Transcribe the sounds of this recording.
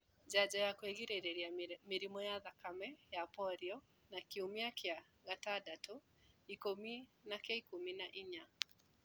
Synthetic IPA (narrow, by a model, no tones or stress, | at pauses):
d͡ʑad͡ʑɔjakweɣiɾeɾeɾiamiɾimɔjaðakamɛjapɔɾiɔ | nakiumiakja | ɣatadato | ikominakaikuminaʔiɲa